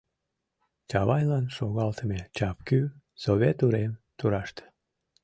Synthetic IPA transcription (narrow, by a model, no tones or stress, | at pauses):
t͡ɕɑβɑjlɑnʃoɣɑlt̪əmet͡ɕɑpky | soβʲet̪uɾemt̪uɾɑʃt̪